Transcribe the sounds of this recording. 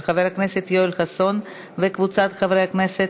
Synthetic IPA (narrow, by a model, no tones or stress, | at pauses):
χaveʁakneset̪joilxason | vekvut͡sat̪χavʁehaknese